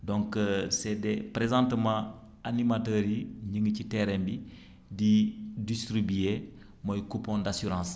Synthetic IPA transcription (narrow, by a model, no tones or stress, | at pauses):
dɔ̃ŋksɛdɛpɾezãːntmã | animatəːɾiɲiŋɡəcitɛɾɛmbi | didistɾibije | mojkupõndasyɾãːs